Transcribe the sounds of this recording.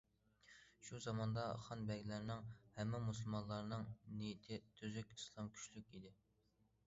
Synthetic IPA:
ʃuzɑmɑnd̪ɑχɑnbɛɡʲlæɾnɪŋhɛmːɪmusulˠmɑnlˠɑɾnɨŋnijit̪ʰɪt̪ʰøzykʲislˠɑmkʲʰy̥ʃlykʲid̪ɪ

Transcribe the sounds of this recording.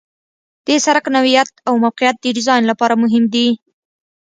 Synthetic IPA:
d̪̥esaɾaknawijat̪̚awmawqɪjat̪̚d̪əɖɪzɑjnlapɑɾamʊɦɪmd̪i

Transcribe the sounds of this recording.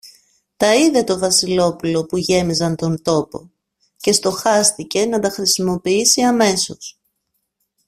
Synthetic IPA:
t̪ɐiðe̞t̪o̞vɐsilo̞pulo̞puʝe̞mizɐnt̪o̞nt̪o̞po̞ | ce̞st̪o̞xɐst̪ice̞nɐt̪ɐxɾisimo̞piisiɐme̞so̞s

